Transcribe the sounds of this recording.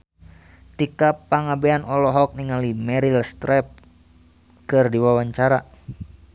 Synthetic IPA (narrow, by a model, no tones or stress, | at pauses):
t̪ikapaŋabɛanʔɔlɔɦɔk̚niŋalimɛɾilst̪ɾɛp̚ | kɨrdiwawaɲt͡ʃaɾa